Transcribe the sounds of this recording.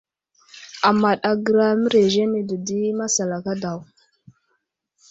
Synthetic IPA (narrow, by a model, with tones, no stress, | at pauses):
a˨ma˨ɗa˨ɡə˨ɾa˦mə˦ɾe˨ʒe˦ni˨də˨di˦ma˦sa˨la˨ka˦da˨w